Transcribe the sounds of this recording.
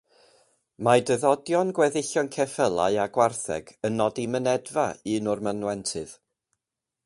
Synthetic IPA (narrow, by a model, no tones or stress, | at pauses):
madəðɔdjɔnɡwɛðɪɬɔnkʰɛfəlˠa̰ɨaɡwarθɛ̰ɡənːɔdimənɛdvaɨːnʊrmanwɛntʰɨð